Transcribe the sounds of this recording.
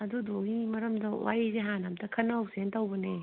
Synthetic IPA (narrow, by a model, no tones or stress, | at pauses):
ɐdudoimɐɾɐmdɐwa̰ɾizeɦanamtɐkʰɐnːɐwsentɐwbɐne